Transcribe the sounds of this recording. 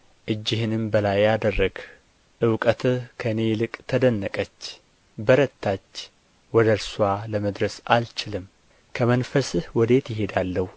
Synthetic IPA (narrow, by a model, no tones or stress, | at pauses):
ʔɨd͡ʒːɪhɨnɨmbəlajːad̪ərːəɡ | ʔɨwkʼət̪ʰɨkʰəne̞lɨkʼt̪ʰəd̪ənːəkʼət͡ʃː | bəɾət̪ːat͡ʃː | wɔd̪əɾswaləməd̪ɾəsa̰lt͡ʃɪlɨm | kʰəmənfəsɨhwɔd̪e̞t̪jɪɦe̞d̪alːəhu